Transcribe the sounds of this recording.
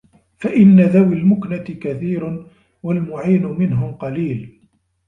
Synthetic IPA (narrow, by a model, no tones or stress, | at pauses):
faʔɪnːaðawɪlmʊknat̪ɪkaθiːɾ | walmʊʕiːnʊmɪnɦʊmqɑliːl